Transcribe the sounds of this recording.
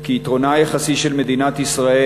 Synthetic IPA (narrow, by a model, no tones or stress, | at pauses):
kiːt̪ʁo̞najaχasiʃelme̞d̪inat̪isʁae